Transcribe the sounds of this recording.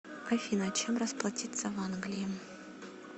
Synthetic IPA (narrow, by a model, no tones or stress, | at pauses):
ɐfʲinɐt͡ɕemrəsplˠɐtʲit̪səvanɡlʲɪjɪ